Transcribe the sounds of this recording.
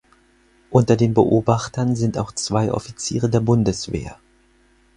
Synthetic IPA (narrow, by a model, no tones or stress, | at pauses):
ʔʊntɐdeːnbəʔoːbaχtɐnzɪntaʊxt͡sv̥aɪʔɔ̰fit͡siːʁ̞ədeːɐbʊndəsv̥ḛːɐ